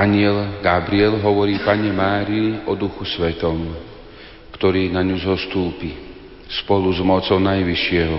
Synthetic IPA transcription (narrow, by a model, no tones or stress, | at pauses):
aɲɪɛlɡabɾiɛlɦɔʋɔɾiːpaɲɛmaːɾiiʔɔd̪uxusʋɛt̪ɔm | kt̪ɔɾiːnaɲuzɔst̪uːpi | spɔluzmɔt͡sɔʊnajʋiʃɪɛɦɔ